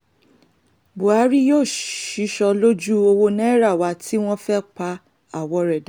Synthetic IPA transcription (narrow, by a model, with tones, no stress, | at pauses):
bu˨a˨˦ɾi˦joː˦˨ʃi˨˦ʃɔ˧lo˦d͡ʒu˦o˧wo˧nɛ̃˦ɾa˦˨wa˧˦tʰi˦w̃ɔ̃˦fɛ˦k͡pa˧ | a˦˨wɔ˧ɾɛ˨da˨˦